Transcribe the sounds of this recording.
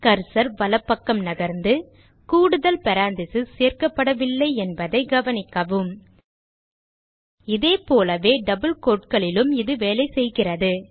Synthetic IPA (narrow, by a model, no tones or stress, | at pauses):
kɐɾsɐɾʋɐlɐpːɐkːɐmnɐɣɐɾnd̪ɯ | kuːɽɯðɐlpɐɾaːnd̪ɪsɯseːrkɐpːɐɽɐʋɪlːɐɪɛnbɐðɐɪɡɐʋɐnɪkːɐʋɯm | ɪðeːpoːlɐʋeːɖɐbɯlkoːʈ̚kɐɭɪlɯmɪðɯʋeːlɐɪsɛjɣɪrɐðɯ